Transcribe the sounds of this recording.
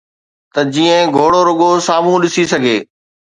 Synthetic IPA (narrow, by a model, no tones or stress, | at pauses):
t̪ɐd͡ʑiːə̃ɡʱoːɽoɾʊɠosaːm̤ũɗɪsisɐɡʱeː